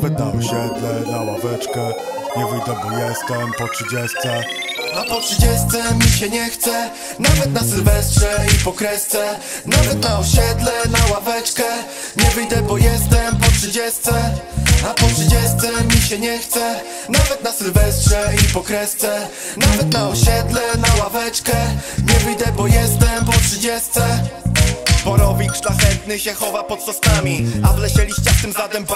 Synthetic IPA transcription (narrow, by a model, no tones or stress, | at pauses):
vɛt̪̚naɔɕɛd̪lɛnawa̰vɛt͡ʂkɛ | ɲɛvɘjd̪ɛbɔjɛst̪ɛmpɔtʂɘd͡ʑɛst̪sɛ | apɔtʂɨd͡ʑɛst̪sɛmʲiɕɛɲɛxt̪sɛ | navɛt̪̚nasɘlvɛstʂɛipɔkɾɛst̪sɛ | navɛt̪̚naɔɕɛd̪lɛnawavɛt͡ʂkɛ | ɲɛvɘjd̪ɛbɔjɛst̪ɛmpɔtʂɘd͡ʑɛst̪sɛ | apɔtʂɘd͡ʑɛst̪sɛmʲiɕɛɲɛxt̪sɛ | navɛt̪nasɘlvɛst̪ʂɛipɔkɾɛst̪sɛ | navɛt̪naɔɕɛd̪lɛnawavɛt͡ʂkɛɲɛvɘjd̪ɛbɔjɛst̪ɛmpɔtʂɘd͡ʑɛst̪sɛ | bɔɾɔvʲikʂlaxɛt̪̚nɘɕɛxɔvapɔt̪sɔst̪amʲiavlɛɕɛlʲiɕt͡ɕaft̪ɘmzat̪ɛm